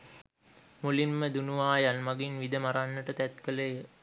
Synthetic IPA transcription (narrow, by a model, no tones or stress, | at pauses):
mulimːəd̪unuʋaːjanmaɡinʋid̪əmaɾanːəʈət̪æt̪kələjə